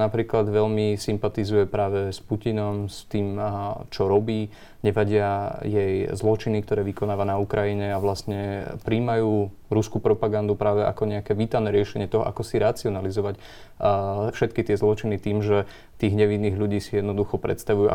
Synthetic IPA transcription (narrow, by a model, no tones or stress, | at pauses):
napɾiːklad̪ʋɛʎmisimpat̪izujɛpɾaːʋɛspucinɔmst̪iːmt͡ʃɔɾɔbiː | ɲɛʋaɟɪajɛjzlɔt͡ʃinikt̪ɔɾɛːʋikɔnaːʋanaukɾʔajiɲɛaʋlasɲɛpɾiːmajuː | ɾuskupɾɔpaɡand̪upɾaːʋɛʔa̰kɔɲɛakɛːʋiːt̪aʊnɛɾɪɛʃɛɲɪɛt̪ɔɦɔ̰ʔa̰kɔsiɾat͡siɔnalizɔʋac | fʃɛt̪̚kit̪ɪɛzlɔt͡ʃinit̪iːmʒɛ | t̪iːɣɦɲɛʋinːiːɣlʎuɟiːsijɛd̪nɔd̪uxɔpɾɛ̰t̪st̪aʋujuʔa̰